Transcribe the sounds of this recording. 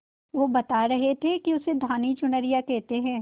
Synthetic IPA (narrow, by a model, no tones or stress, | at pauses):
ʋobɐt̪aɾɐɦet̪ʰekiʊsed̪ʱaːnit͡ʃʊnəɾijakɛɦt̪eɦɛ̃ː